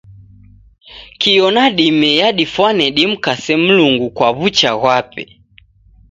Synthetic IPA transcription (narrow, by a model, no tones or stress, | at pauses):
kijɔnaɗimɛjaɗifwanɛɗim̩kasɛm̩luŋɡukwaβut͡ʃaɣwapɛ̰